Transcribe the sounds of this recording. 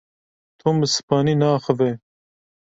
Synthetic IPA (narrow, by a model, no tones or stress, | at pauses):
t̪ʰoːməsɨ̥pɑːninaːxəve